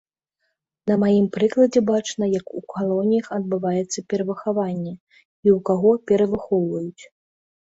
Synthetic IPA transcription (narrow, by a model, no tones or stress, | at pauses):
nɐmajimpɾɨklˠɐd͡zʲɛbat͡ʂnɐjɐkukʰalˠɔnʲijɐxɐd̪̚bɨvajɛt̪sːɐpʲɛɾɐvɨxavanʲːɛ | iwkaɣɔpʲɛɾɐvɨxɔwvɐjut͡sʲ